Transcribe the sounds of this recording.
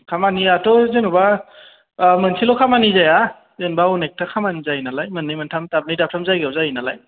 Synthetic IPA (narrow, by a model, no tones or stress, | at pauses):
kʰamaniatɔzenuba | mənsʰilɔkʰamanizaja | zenbaɔnek̚tʰakʰamanizajinalajmɯnːɯjmantʰamtab̚nijdap̚tʰamzajɡawzajinala̰j